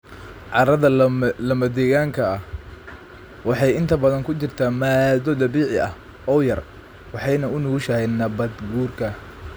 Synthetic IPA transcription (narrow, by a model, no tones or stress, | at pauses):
ʕɑɾɐðɐlɐmɐd̪ɛːɣaːŋkʰɐːh | wɑħɑjɪnt̪ʰɐbɐðɐŋkʰʊt͡ʃɪrt̪ʰaːmaːd̪ɔd̪ɐβiːʕɪʔɐ̰h | ɔːjɐr | wɑħɑjnɐʊnʊɣʊʃɐɛnɐbɐd̪ɡuːrkʰɐ